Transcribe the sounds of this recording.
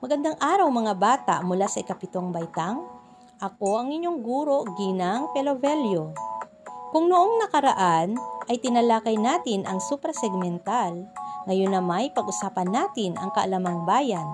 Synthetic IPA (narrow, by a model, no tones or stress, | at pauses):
mɐɡɐnd̪aŋʔaːɾɐwmɐŋabaːt̪a̰ʔmʊlasɐʔɪkɐpɪt̪o̞ŋbɐjt̪aŋ | ʔɐko̞ʔɐŋɪɲːo̞ŋɡuːɾo̞ɡiːnaŋpɛlovɛljo̞ | kʊŋnoʔoŋnɐkɐɾɐʔanʔɐjt̪ɪnɐlaːkɐjnaːt̪ɪnʔɐŋsupɾɐsɛɡ̚mɛnt̪alŋɐjonːɐmajpɐɡʔʊsaːpɐnːaːt̪ɪnʔɐ̰ŋkɐʔɐlamɐŋbaːjɐn